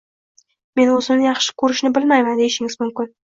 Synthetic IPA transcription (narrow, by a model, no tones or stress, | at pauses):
me̞nɵzɪmnɪjɑχʃɪ̥kʲʰɵɾɪʃnɪbɪlmajmand̪eɪʃɪŋɪzmʊmkʲɪn